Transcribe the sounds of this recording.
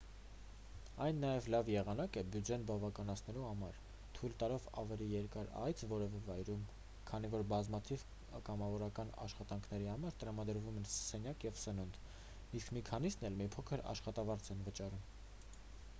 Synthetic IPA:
ɑjnːɑjɛvlɑvjɛʁɑnɑkəbjud͡ʒɛnbɑvɑkɑn̪ɑt͡sʰnɛluhɑmɑɾ | t̪ʰujlt̪ɑɾɔvɑ̰vɛlijɛɾkɑɾɑ̰jt͡sʰvɔɾɛvɛvɑjɾum | kʰɑn̪ivɔɾbɑzmɑt̪ʰiv | kɑmɑvɔɾɑkɑnɑ̰ʃχɑt̪ɑŋkʰn̪ɛɾihɑmɑɾt̪əɾɑmɑd̪əɾvumɛnsɛnjɑkjɛvsənund̪ | iskmikʰɑnisn̪ɛlmipʰɔkʰəɾɑ̰ʃχɑt̪ɑvɑɾt͡sʰɛnvət͡ʃɑɾum

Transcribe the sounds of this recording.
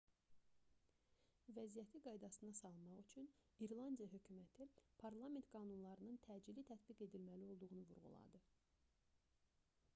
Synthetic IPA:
væzijæt̪ʰiɡɑjd̪ɑsɯnɑsɑlˠɯmɑʁyt͡ʃʰyniɾlˠɑnd̪ijɑɦø̞cʰymæt̪ʰipʰɑɾlˠɑme̞nt̪ɡ̥ɑːnunlˠɑɾɯnɯnt̪ʰæd͡ʒilit̪ʰæt̪biɡe̞d̪ilmælio̞lˠd̪uʁunuvṵɾʁṵlˠɑ̰d̪ɯ

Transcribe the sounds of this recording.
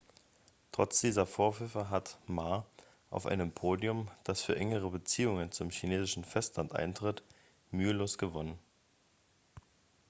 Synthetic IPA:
tʁ̥ɔt͡sd̥iːzɐfoːɐfʏfəɦatmaɐ | ʔaʊfʔa̰ɪnəmpʰoːdjʊmd̥asfyːɐʔɛŋəʁəbət͡siːʊŋənt͡sʊmçineːzɪʃn̩fɛstlantʔa̰ɪntʁ̥ɪt | myːəloːsɡ̥əvɔnən

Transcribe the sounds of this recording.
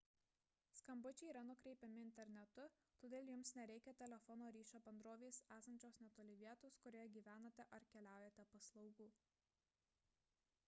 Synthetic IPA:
skɐmbʊt͡ʃʲɛiːɾɐnʊkɾʲɛɪpʲɛmʲɪɪnʲt̪ʲɛɾʲnʲɛt̪ʊ | t̪oːd̪ʲeːlˠjʊmsnʲɛɾʲɛɪkʲɛt̪ʲɛlʲɛfɔnoːɾʲiːʃʲoːbʲɛnd̪ɾoːʋʲeːsæːsɐnʲt͡ʃʲoːsnʲɛt̪oːlʲɪʋʲiɛt̪oːskʊɾʲoːjɛɡʲiːʋʲæːnɐt̪ʲɛʔɐɾkʲɛlʲæˑʊjɛt̪ʲɛpɐslˠɒʊɡuː

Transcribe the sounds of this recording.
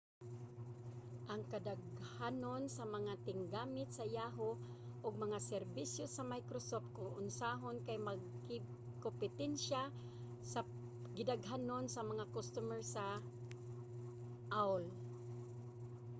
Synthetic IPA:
ʔaŋkad̪aɡhanonsamɐŋat̪ɪŋɡaːmɪt̪̚sɐjaɦo | ʔʊɡ̚mɐŋasɛɾbisjosɐmajkɾosoft̪̚koŋʔʊnsaɦonkajmaɡ̚kɪ | kompɪt̪ɛnʃa | sa | ɡɪd̪aɡɦanonsɐmɐŋakost̪umɛɹsa | ʔawl

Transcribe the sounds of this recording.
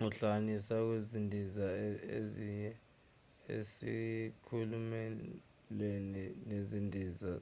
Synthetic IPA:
uɬanisak̬wezindʱizaeziɲɛ | ḛsḭkʰulumɛ | lweninezindʱiːza

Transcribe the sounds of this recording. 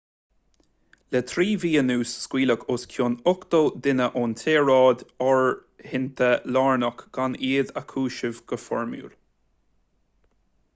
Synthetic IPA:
lɛt̪ʰɾiːviːənuːsːkwiːləkʰoskʰjonʊkt̪oːd̪ɪnəʔɔnt̪ʰeːɹɑːd̪ɔɹ | hɪnt̪ʰəlɑːɹnɔkɡ̥aniːðəkʰuːʃəvɡ̥əfɔ̰ɹmjṵːl

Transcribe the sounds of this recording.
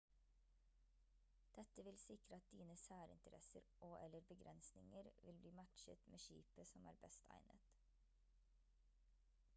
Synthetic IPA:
d̪̥ɛt̪əʋɪlsɪkɾəɑt̪̚d̪iːnəsæːɾɪ̰nt̪əɾɛsəɾʔoːʔɛləɾbəɡɾʔɛnsnɪŋəɾʋɪlbliːmæt̪ʃə̰t̪mʔḛːʃḭːpəsɔmæ̰ːɾbɛst̪ʰæ̰ɪnʔə̰t̪

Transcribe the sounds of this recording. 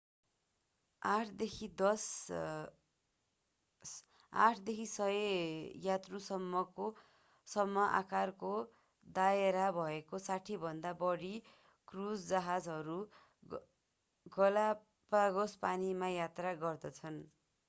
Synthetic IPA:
aʈʰd̪ekʰid̪ʌs | a̰ʈʰd̪ekʰisʌjejat̪rusʌmːʌko | sʌmːʌʔa̰karko | d̪aeɾabʱʌekosaʈʰibʱʌnd̪abʌɽi | krud͡zd͡zaɦad͡zɦʌɾu | ɡʌla | paɡospanimajat̪raɡʌrd̪ʌt͡sʰʌn

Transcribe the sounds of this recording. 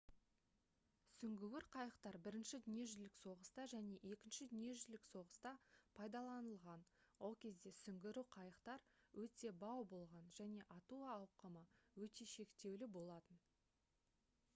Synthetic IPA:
sʏŋɡʲɪwɪɾqʰɑjəqt̪ɑɾbɪɾɪnʃɪd̪ʏnje̞ʒʏlɪkso̞ʁəst̪ɑʒæne̞ʔe̞kʲɪnʃɪd̪ʏnije̞ʒʏlɪkso̞ʁəst̪ɑpʰɑjd̪ɑlˠɑnəlˠʁɑnwo̞lˠkʲʰe̞zd̪e̞sʏŋɡʲɪɾuqʰɑjəqt̪ɑɾwɵt̪e̞bɑwbo̞lˠʁɑnʒ̥æne̞ʔɑt̪uːwqəməwɵt̪e̞ʃe̞kt̪e̞wlɪbo̞lˠɑt̪ən

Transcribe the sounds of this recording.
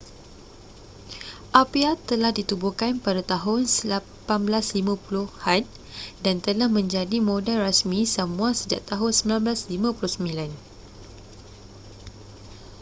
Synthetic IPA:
ʔapiat̪əlahdit̪ubukanpadat̪aɦʊnsəla | panblaslimãpulʊhhan | dant̪əlahmə̃ɲd͡ʒadimõdalrasmĩsamũasəd͡ʒaʔt̪aɦʊnsəmilanblaslimãpulʊsəmĩlan

